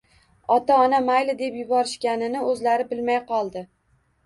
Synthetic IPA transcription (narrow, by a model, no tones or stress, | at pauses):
ɒt̪aɒnamajlɪd̪e̞pjʊbɒɾɪʃkʲanɪnɪɵzlaɾɪbɪlmajqɒlˠd̪ɪ